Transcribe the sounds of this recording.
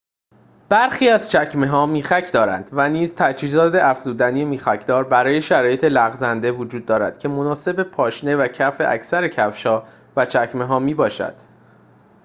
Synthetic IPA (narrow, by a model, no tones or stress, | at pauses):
b̥æɾxiːæzt͡ʃʰæcme̞ɦɒːmiːxæcʰd̪ɒːɾæ̰nd̪væniːzt̪ʰæd͡ʒhiːzɒːd̪eæfz̥uːd̪æniemiːxæcʰd̪̥ɒːɾbæɾɒːje̞ʃæɾɒːje̞t̪ʰelæɣzænd̪e̞vod͡ʒuːd̪̚ːɒːɾæ̰d̪̥cʰe̞mo̞nɒːse̞bepʰɒːʃne̞væcʰæfe̞̰ʔæ̰cʰsæɾe̞cʰæfʃɒː | væt͡ʃʰæcʰme̞ɦɒːmiːbɒːʃæ̰d̪̥